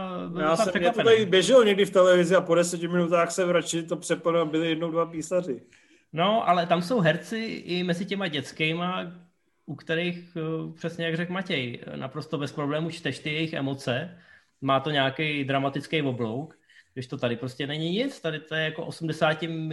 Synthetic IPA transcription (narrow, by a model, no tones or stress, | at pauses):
bɪljaasarɛkapɛnaɪbjɛʒɛlɲɛɡdɪft̪ɛlɛvɪzɪapodɛsɛcɪmɪnut̪aːxsɛvɾat͡ʃɪt̪opr̥ɛplnalbɪlɪjɛdnowdvapiːsarɪ | no̞ʔalɛt̪amso̞wɦɛɾt͡sɪʔɪmɛzɪcɛmaɟɛt͡skɛma | ʔukt̪ɛɾijxpr̝̥ɛsɲɛjaɡrɛkmacɛjnʔa̰pɾo̞st̪o̞bɛspɾoblɛːmut͡ʃt̪ɛʃt̪ɪjɛjɪxʔɛ̰mo̞t͡sɛ | maːt̪o̞ɲaːkejd̪ɾamat̪ɪt͡skejvo̞blo̞wk | ɡdɪʃt̪o̞t̪adɪpɾo̞scʲɛnɛɲɪɲɪt͡st̪adɪt̪ojɛjako̞ʔo̞sumdɛsaːcɪm